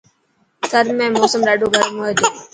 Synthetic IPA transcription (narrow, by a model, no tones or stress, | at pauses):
t̪ʰəɾmẽːmoːsəmɾaːɖoːɡʱəɾmuːɦeːd̪eː